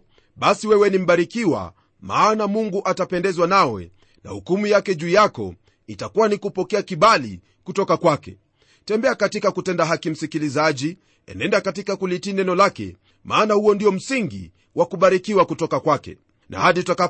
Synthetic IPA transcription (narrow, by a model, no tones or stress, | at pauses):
ɓasiwɛwɛnim̩ɓaɾikiwa̰ | maːnamuŋɡuʔatapɛndɛzwanawɛ̰ | na̰hukumujakɛʄuːjakɔ̰ | itakuwanikupɔkɛakiɓalḭ | kutɔkakwakɛ̰ | tɛmbɛakatikakutɛndaɦakim̩sikilizaʄi | ɛ̰nɛndakat̬ikakulitinɛnɔlakɛ̰ | maːnahuɔndiɔm̩siŋɡḭ | wʔakuɓaɾikiwakutɔkakwakɛ̰ | nʔa̰haɗitaka